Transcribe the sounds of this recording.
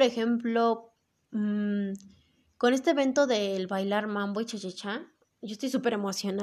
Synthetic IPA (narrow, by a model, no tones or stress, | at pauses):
ɾe̞xe̞mplo̞ | ko̞ne̞s̬t̪eːβe̞nt̪o̞ðe̞ːlβajlaɾmãmboit͡ʃat͡ʃet͡ʃa | ʝost̪o̞jsupe̞ɾe̞mosjo̞na